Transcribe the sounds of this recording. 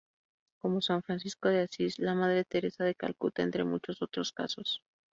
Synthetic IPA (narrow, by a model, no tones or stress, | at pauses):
ko̞mo̞swaɱfɾansisko̞ð̞easislamað̞ɾe̞t̪e̞ɾe̞saðe̞ka̰lkut̪aent̪ɾe̞̰mṵt͡ʃo̞so̞t̪ɾo̞ska̰so̞s